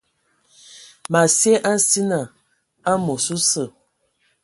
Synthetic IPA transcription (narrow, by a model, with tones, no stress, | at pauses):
ma˨se˦ʔa˦n̩˦si˦na˨ | a˦mo˨su˦sə˨